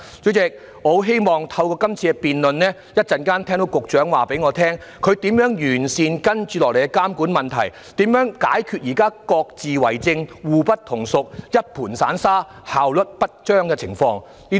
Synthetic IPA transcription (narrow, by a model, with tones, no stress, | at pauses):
t͡so˨˥wt͡sɪ˨˧k̚ː | ɔ˨˧˥ɦe˥jmɔː˨ŋt̪ʰɐ˧wkɔː˧kɐ˥mt͡sʰiː˧kɛ˧piː˨nlɵ˨nnɛː˥ | jɐ˥t̚t͡sɐ˨nkaː˥nt̪ʰɛ˥ŋt̪o˨˧˥wkʊ˨k̚t͡ʃœː˨˥ŋwaː˨˩pe˨˥jŋɔː˨˧t̪ʰɛː˥ŋkʰɵ˧ɥt̪iː˨˥mjœː˨˥ŋjyː˨˩nsiː˨nkɐ˥nt͡ʃyː˨˧lɔː˨˩kle˨˩kɛ˧˥kaː˥mkuː˨˥nmɐ˨nt̪ʰɐ˨˩j | t̪iː˨˥mjœː˨˥ŋkaː˨˥jkʰyː˧t̚jiː˨˩kaː˥kɔː˧k̚t͡siː˨wɐ˨˩jt͡sɪ˧ŋwuː˨pɐ˥t̪̚ʰʊ˨˩ŋsʊ˨k̚jɐ˥t̚pʰuː˨˩nsa̰ː˨˥nsaː˥ | haː˨wlɵ˨t̚pɐ˥t̚t͡ʃœː˥ŋkɛ˧t͡sʰɪ˨˩ŋfɔː˧ŋ | niː˥